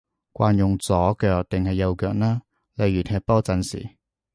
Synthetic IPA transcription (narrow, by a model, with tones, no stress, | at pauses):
kʷwaː˧njʊ˨ŋt͡sɔː˨˥kœː˧k̚t̪ɪ˨ŋhɐ˨jːɐ˧wkœː˧k̚naː˥ | lɐ˨˧jɥyː˨˩t̪ʰɛː˧k̚pɔː˥t͡sɐ˧nsḭː˨˩